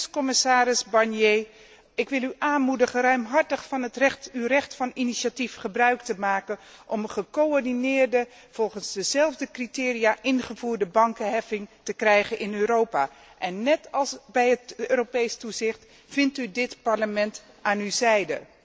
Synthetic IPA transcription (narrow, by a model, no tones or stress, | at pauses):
skɔmɪsaːɾɪsbɑɹnjeː | ɪkʋɪlˠyʔaːnmudəχərœɥmɦɑɹtəχfɑnɦətrɛχtywrɛχtfɑniniʃatifχəbrœɥktəmaːkənʔɔməχəkoɔɹdinɪːɹdə | v̥ɔlˠχənzdəzɛlˠvdəkritɪːrijaːʔɪnχəvuːɹdəbɑŋkəɦɛfɪŋtəkrɛjχənʔɪnøːɾowpaː | ʔɛnːɛtɑlˠsbɛjɦətøːɾopejstuzɪχt | v̥ɪntydɪtpɑɹləmɛnt | aːnyzɛjdə̰